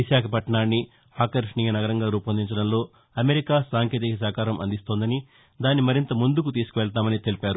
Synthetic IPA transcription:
ʋiʃaːkʰɐpɐʈɐɳaːnːi | aːkɐɾʂɳiːjɐnɐɡɐɾɐŋɡaːɾuːpɐnd̪iɲt͡ʃɐɽɐmlo̞ː | ɐme̞ɾikaːsaːŋkʰeːt̪ikɐs̬aːkaːɾɐmʔɐ̰nd̪ist̪o̞ːnd̪ɐni | d̪aːnːimɐɾint̪ɐmund̪ukut̪iːsu̥kuʋɛɭt̪̬aːmɐnit̪elipaːɾu

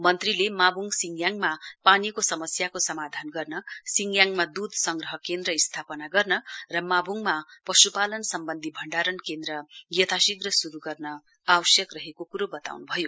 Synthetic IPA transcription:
mʌnt̪rilemabʱuŋsiŋɡjaŋmapanikosʌmʌsjakosʌmad̪ʱanɡʌrnʌsiŋɡjaŋmad̪ud̪ʱsʌŋɡrʌɦʌkend̪rʌist̪ʰapʌnaɡʌrnʌrʌmabʱuŋmapʌsupalʌnsʌmbʌnd̪ʱibʱʌɳɖaɾʌnkend̪rʌɡjʌt̪ʰasiɡrʌsuɾuɡʌrnʌ | awʌsjʌkrʌɦekokuɾobʌt̪a̰wnubʱʌjo

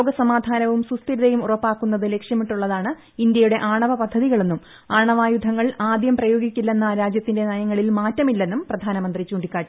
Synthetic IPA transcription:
oːɡɐsɐmaːd̪ʱaːnɐʋumsust̪iɾuðɐjumurɐpːaːkːunːɐðɨle̞kʂjɐmiʈːuɭːɐðaːɳɨ | ind̪jɐjuɽe̞ʔaːɳɐʋɐpɐd̪ʱːɐðiɣɐɭe̞nːum | aːɳɐʋaːjud̪ʱːɐŋːɐɭaːd̪jɐmprɐjo̞ːɡikʲːilːenːɐɾaːd͡ʑjɐt̪ːinde̞nɐjɐŋːɐɭilmaːtːɐmilːe̞nːumprɐd̪ʱaːnɐmɐnd̪rit͡ɕuːɳɖikːaːʈi

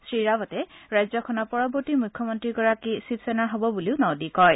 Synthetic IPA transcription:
sɹiɹabɔtɛɹajzɔkʰɔnɔpɔɹɔbɔɹtimukʰːɔmɔntɹiɡɔɹakisipsɛnaɦobɔbuliʊnɔdikɔj

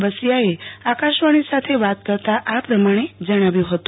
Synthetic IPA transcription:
bəsijaeakaʃʋaɽ̃isat̪ʰeʋat̪̚kəɾt̪aʔapɾəmaɽ̃ed͡ʒəɽ̃aʋjũɦət̪ũ

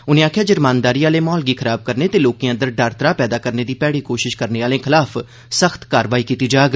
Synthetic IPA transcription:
ʊnẽːaːkʰjaːd͡ʒəɾmaːnd̪aːɾiːaːleːmɔːlɡiːkʰəɾaːb̚kəɾneːt̪eːloːkĩːãːd̪əɾɖəɾt̪ɾaːpɛːd̪aːkəɾneːd̪iːpɛːɽiːkoːʃɪʃkəɾneːaːlẽːkʰɪlaːpʰ | səxt̪kaːɾʋaːiːkiːt̪iːd͡ʒaːɡ

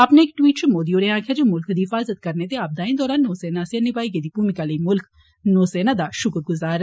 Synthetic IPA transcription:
apneɪkʈwiːʈt͡ʃʰʊmoːd̪ioːnẽãːkʰjaːd͡ʒoːmʊlkd̪iːɦɪfaːzət̪̚kəɾneːt̪eaːb̚d̪aːĩd̪ɔːɾaːnːoːsɛːnaːseənɪbaːiɡed̪iːpuːmɪkaləiːmʊlk | noːsɛːnãːd̪aːʃʊkɾɡʊzaːɾ

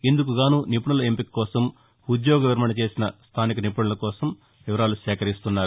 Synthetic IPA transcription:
end̪uk̬uɡaːnuːnipuɳulɐempikːɔːsɐm | ud̪jɔːɡɐʋiɾmɐnɐt͡ʃe̞ːsinɐst̪ʰaːnikɐnipuɳɐlɐkɔːsɐm | ʋiʋɐɾaːluʃɛːkɐɾist̪unːaːɾu

